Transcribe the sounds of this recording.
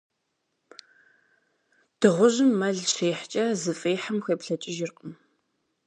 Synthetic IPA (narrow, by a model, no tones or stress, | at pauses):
d̥ɨʁʷʊʑɪmːɐɮʃeːħt͡ʃʼɐzɨfʼeːħamxʷeːpɬɐt͡ʃʼɪʒɪrqʼəm